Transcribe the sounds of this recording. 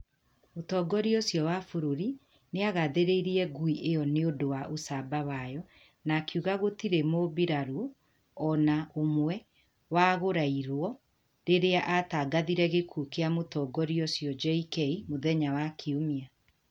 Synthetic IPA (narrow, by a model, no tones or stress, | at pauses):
motɔːɡɔɾiosjɔwafoɾoɾi | neaɣaðeɾeiɾiɛɡuiʔejɔneodowaʔosabawajɔ | nakiuɣaɣotiɾemobiɾaɾu | ɔnaomwɛ | waɣoɾaiɾwɔ | ɾeɾeaʔataːɡaðiɾɛɣekʰukeamotɔːɡɔɾiosjɔd͡ʒɛikɛimoðɛɲawakʰeomia